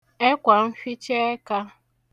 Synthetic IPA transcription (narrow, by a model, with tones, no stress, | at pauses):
e˦kʷa˨m̩˦fi˦t͡ʃe˦e˦ka˦